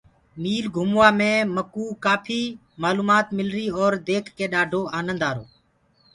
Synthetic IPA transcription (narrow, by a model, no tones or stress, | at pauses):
miːlɡʱʊmʋaːmẽːməkuːkaːpʰiː | maːluːmaːt̪mɪlɾiːɔːɾd̪eːkʰkeːɗaːɖʱoːaːnənd̪aːɾoː